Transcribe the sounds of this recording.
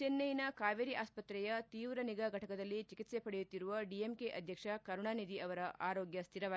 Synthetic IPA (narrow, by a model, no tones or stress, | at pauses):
t͡ʃenːɐjinɐkaːʋeɾiʔaːspɐt̪ɾɛjɐt̪iːʋɾɐniɡaɡʱɐʈʰɐkɐd̪ɐlːit͡ʃikit̪sepɐɽejut̪ːiɾuʋɐɖiemkeʔɐd̪ʱjɐkʂɐkɐɾuɳaːnid̪iɐʋɐɾɐʔaːɾoːɡjɐst̪ʰiɾɐʋaː